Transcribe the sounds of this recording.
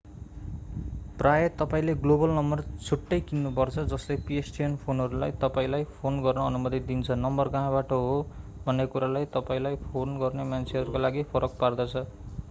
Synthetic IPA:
prajʌt̪ʌpaĩleɡlobʌlnʌmbʌrt͡sʰuʈːʌjkinːupʌrt͡sʰʌd͡zʌslepiesʈijʌnpʰonɦʌɾulajt̪ʌpaĩlajpʰonɡʌrnʌʌnumʌt̪id̪int͡sʰʌnʌmbʌrɡaɦãbaʈʌɦobʱʌnːekuɾalajt̪ʌpaĩlajpʰonɡʌrnemant͡sʰeʌɾukolaɡipʰʌɾʌk̚pard̪ʌt͡sʰʌ

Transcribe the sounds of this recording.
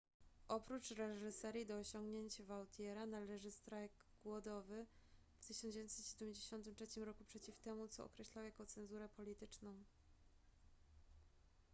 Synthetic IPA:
ʔɔpɾut͡ʂɾɛʐɘsɛɾʲjid̪ɔːɕɔŋɡɲeɲt͡ɕavawt̪ʲʰjɛɾanalɛʐɘst̪ɾajɡɡwɔd̪ɔvɘ | ft̪ɘɕɔnd͡ʑevʲjnsɛt̪ɕed̪ɛmʲd͡ʑeɕɔnt̪ɘmtʂɛt͡ɕimɾɔkupʂɛt͡ɕift̪ɛmut̪sɔɔ̰kɾɛɕlawjakɔt̪sɛnzuɾɛpɔlʲit̪ɘt͡ʂnɔ̃w̃

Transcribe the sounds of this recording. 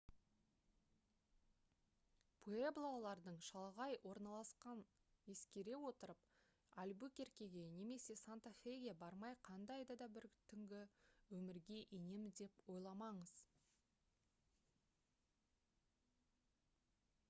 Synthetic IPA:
pʰueblˠolˠɑɾd̪əɴʃɑlˠʁɑjwo̞ɾnɑlˠɑsqɑn | je̞skʲe̞ɾe̞wo̞t̪əɾəp | albukʲe̞ɾkʲe̞ɡʲe̞ne̞me̞se̞sant̪afeɡʲe̞bɑɾmɑjqʰɑnd̪ɑjd̪ɑd̪ɑbɪɾt̪ʰʏŋɡʲɪwɵmɪɾɡʲe̞ʔenemd̪e̞pwo̞jlˠɑmɑɴəz̥

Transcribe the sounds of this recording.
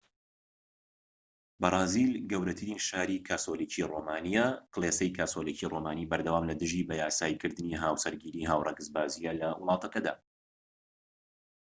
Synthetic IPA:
bɐɾˤɑːzilɡɐwɾɐt̪ʰɨɾinʃaːɾikʰaːsoliciroːmaːnijaklˠesɐjkʰaːsoliciːrʔoːmaːniːbɐɾd̪ɐwaːmlɐd̪ɨʒibɐjaːsaːjikɨɾd̪ɨniɦaːwsɐɾɡiːɾiːɦaːwrˤɛ̰ɡɨzbaːzijalɐwɨlˠɑːt̪ɐkɐd̪a̰ː

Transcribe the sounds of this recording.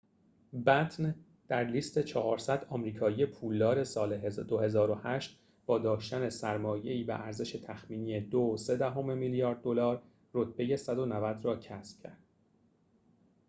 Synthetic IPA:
bæt̪ʰn | d̪̥æɾliːst̪e̞t͡ʃʰɒːhɒːɾsæd̪ɒːmɾiːkʰɒːije̞pʰuːld̪ɒːɾe̞sɒːled̪ohe̞zɒːɾohæʃt̪ | b̥ɒːd̪ɒːʃt̪æne̞sæɾmɒːjeiːbḛʔæɾze̞ʃe̞t̪ʰæxmiːniːjed̪ose̞d̪æɦomemiːljɒːɾd̪̚ːo̞lɒːɾ | rot̪̚ʰbe̞je̞sæd̪onævæd̪ɾɒːcʰæsb̥̚cʰæ̰ɾd̪̥

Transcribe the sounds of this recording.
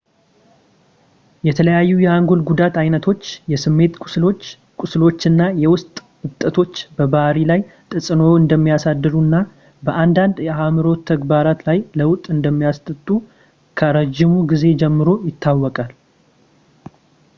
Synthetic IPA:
jɛt̪ʰələjajːujɛaŋɡo̞lɡud̪at̪ajnət̪ʰo̞t͡ʃːjɛsɨmːe̞t̪ʼo | kʷʼʊslo̞t͡ʃːɨnːajɛwʊst̪ʼ | ɨt̪ʼːət̪ʰo̞t͡ʃːbəbahɾilajt̪ʼɨsʼɨnoɨnd̪əmːijasad̪ːɨɾunːa | bəʔand̪and̪jɛamɨɾo̞t̪ʰːəɡbaɾat̪lajləwt̪ʼːɨnd̪əmːijast̪ʼɨt̪ʼːu | kʰəɾəd͡ʒːɪmuɡize̞d͡ʒɛmːɨɾo̞jɪt̪ʰːawːɔkʼal

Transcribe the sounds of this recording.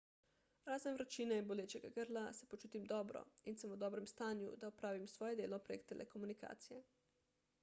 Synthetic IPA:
ɾaːzenʋɾat͡ʃineinboleːt͡ʃeɡaɡəɾlasepot͡ʃuːt̪imd̪ɔːbɾɔ̰insəmud̪ɔːbɾɛmst̪aːnjṵd̪aupɾaːʋimsʋojed̪eːlopɾekt̪elʔekomunika̰ːt̪sije

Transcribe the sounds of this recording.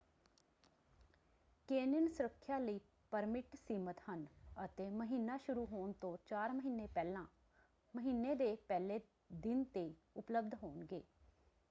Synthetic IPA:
keːnɪnsʊɾəkʰːjaːləiː | pəɾmɪʈsiːmət̪hənət̪eːməɦiːnːaːʃʊɾuːɦoːnt̪õːt͡ʃaːɾməɦiːnːeːpɛːlãː | məɦiːnːeːd̪eːpɛːleː | d̪ɪnt̪eː | ʊpləbd̪ɦoːnɡḛː

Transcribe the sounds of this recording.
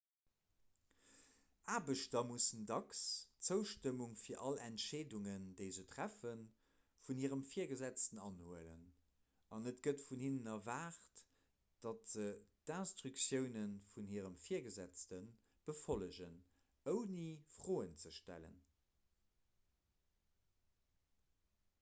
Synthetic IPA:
ʔaːbəʃtɐmusəndɑkst͡səʊʃtəmuŋfiːɐʔɑlæntʃeːduŋəndeɪzətʁæfən | funhiːəʁəmfiːɐɡəzæt͡stənɑnhuələ̰n | ʔɑnətɡətfunhinənɐvaːχt | d̥ɑtz̥əd̥anstʁyksjəʊnənfunhiːəʁəmfiːɐɡəzæt͡stən | b̥əfoləʑən | əʊnifʁ̥oːənt͡səʃtæ̰lə̰n

